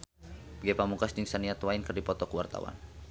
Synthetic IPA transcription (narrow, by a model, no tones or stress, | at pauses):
ɡɛpamukasdiŋsaniat̪wainkɨrdipɔt̪ɔkuwart̪a̰wa̰n